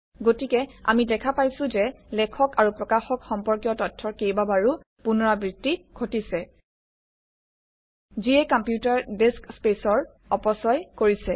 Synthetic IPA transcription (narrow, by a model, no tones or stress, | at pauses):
ɡotikɛa̰midɛkʰapajsʊ̃zɛlɛkʰɔkaɹupɹɔkaxɔkxɔmpɔɹkjɔtɔtʰːɔɹkejbabaɹu | punɔɹabɹitːiɡʰʱotisɛ | ziɛkɔmpjutaɹdeskspesɔɹ | ɔpɔsɔjkoɹisɛ